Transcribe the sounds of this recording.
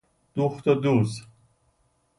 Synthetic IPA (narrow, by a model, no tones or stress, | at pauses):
d̪̥uxt̪od̪uz